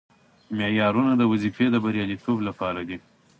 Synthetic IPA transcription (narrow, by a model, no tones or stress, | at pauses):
mejɑɾunad̪əwazifed̪əbaɾjɑlit̪ʰoblapɑɾad̪i